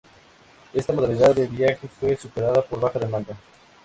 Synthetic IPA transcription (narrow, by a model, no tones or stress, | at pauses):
e̞st̪amoðaliðaððeβjaxefwe̞supeɾaðapo̞ɾβaxaðemãnd̪a